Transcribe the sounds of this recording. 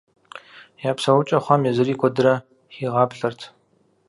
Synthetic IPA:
jaːpsɐwʊt͡ʃʼɐχʷɔmjɛzɨriːkʷʰɔdɨɾɐ | xiːʁɑːpɬɐrtʰ

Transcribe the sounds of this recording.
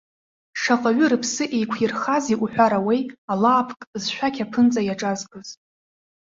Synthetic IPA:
ʂaqʼaɥʊrɨpʰsɨʔejkʷʰirχaziʔʷuħʷᶣaɾawejalaːpʰkʼzʃᶣʷakʲʰapʰɨnt͡sʼajaʈ͡ʂʼazɡʼɨz

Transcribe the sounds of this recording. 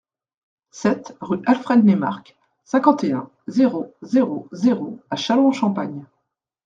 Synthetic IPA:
sɛt̪ʁyʔalfχɛd̪nema̰ʁk | sɛ̃kɑ̃t̪eɛ̃ | zeʁozeʁozeʁoaʃalɔ̃ʃɑ̃paɲ

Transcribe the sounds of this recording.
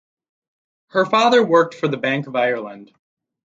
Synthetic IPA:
hə˞fɑðə˞wɜ˞k̚tfə˞ðɨbæ̃ŋkʌvaɪə˞lˠə̃nd̥

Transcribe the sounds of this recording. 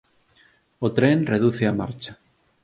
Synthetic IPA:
ot̪ɾenreðuθeama̰ɾt͡ʃa

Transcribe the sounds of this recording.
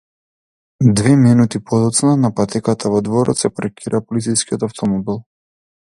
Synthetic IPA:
d̪vɛminut̪ipɔd̪ɔt̪snanapat̪ɛkat̪ʰavɔd̪vɔɾɔ̰t̪sɛpɾɛkʲʰiɾʔapɔlit̪sijskiɔt̪aft̪ʰɔmɔbilˠ

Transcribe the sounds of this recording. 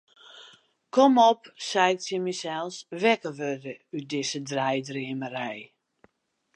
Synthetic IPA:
kʰɔmɔpsɛjk̚tjəmisɛlˠsʋɛkəʋødəyt̚dɪsədrɛjdriəmərɛj

